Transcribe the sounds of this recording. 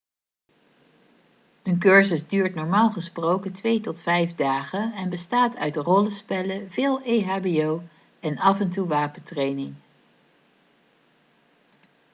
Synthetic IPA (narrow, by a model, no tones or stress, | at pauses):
ɦənk̬øɹzəzdyːɹtnɔɹmaːlˠχəsprowkətʋejtɔtfɛjvdaːχənɛnbəstaːtʰœ̰ɥdərɔləspɛləvɪːlˠejɦaːbiow | ɛnɑfɛntuʋaːpəntrejnɪŋ